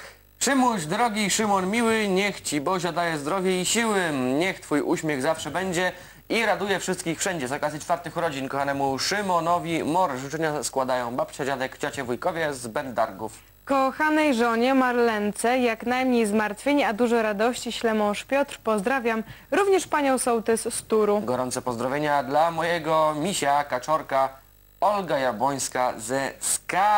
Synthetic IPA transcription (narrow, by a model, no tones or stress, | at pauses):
ʂɘmuʑd̪ɾɔɡʲiʂɘmɔnmʲiwɘɲɛxt͡ɕibɔʑad̪ajɛzd̪ɾɔvʲjɛiɕiwɘɲɛxt̪fujʔuɕmʲɛɣzafʂɛbɛɲd͡ʑɛ | iɾad̪ujɛfʂɘst̪̚kʲixfʂɛɲd͡ʑɛzɔkazjit͡ʂfaɾt̪ɘxɾɔd͡ʑinkɔxanɛmuʂɘmɔnɔvʲimɔɾʐut͡ʂɛɲaskwad̪ajɔ̃w̃bapt͡ɕad͡ʑad̪ɛkt͡ɕat͡ɕɛvujkɔvʲjɛzbɛnd̪d̪aɾɡuf | kɔxanɛjʐɔɲɛmaɾlɛnt̪sɛjaknajmɲejzmaɾt̪fʲjeɲɛad̪uʐɔɾad̪ɔɕt͡ɕiɕlɛmɔ̃wʂpʲjɔt̪ɾpɔzd̪ɾavʲjam | ɾuvɲɛʂpaɲɔ̃w̃sɔ̃wt̪ɛsst̪uɾuɡɔɾɔnt̪sɛpɔzd̪ɾɔvʲjeɲad̪lamɔjɛɡɔmʲiɕakat͡ʂɔɾka | ɔlɡajabɔj̃skazɛska